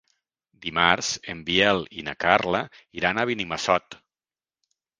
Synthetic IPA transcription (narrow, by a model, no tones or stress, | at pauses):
d̪imaɾz̥embiɛlinakaɾlaiɾanaβinimasɔt̪